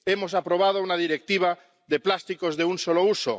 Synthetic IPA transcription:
emos̬apɾoβ̞að̞ounaðiɾek̚t̪iβ̞a | ðeplast̪ikozðeunsolouso̰

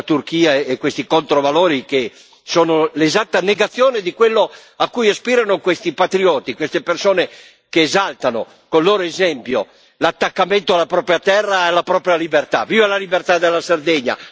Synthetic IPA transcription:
t̪urkiːaekːwest̪ikont̪ɾovaloːɾike | soːnolezat̪ːaneɡat̪sːjoːned̪ikwelːoakːujaspiːɾanokwest̪ipat̪ɾiɔːt̪ikwest̪epersoːne | keːzalt̪ano̰ | konloːɾoezɛmpjo | lat̪ːakːament̪oalːapɾɔːpɾjat̪ɛrːaɛlːapɾɔːpɾjalibert̪aviːvalalibert̪ad̪elːasard̪ɛɲːa̰

